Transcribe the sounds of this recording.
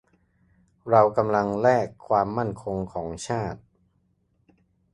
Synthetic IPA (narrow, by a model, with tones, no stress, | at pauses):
ɾa˧wka˧mla˧ŋlɛː˥˩kʰːwaː˧mːa˥˩nkʰo˧ŋkʰɔː˩˦ŋt͡ɕʰaː˥˩t̪̚